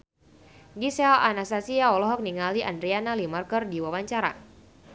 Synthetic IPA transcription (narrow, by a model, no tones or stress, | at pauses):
ɡisɛla̰nasasiaɔlɔɦɔk̚niŋaliʔandɾianalimarkərdiwawaɲt͡ʃaɾa̰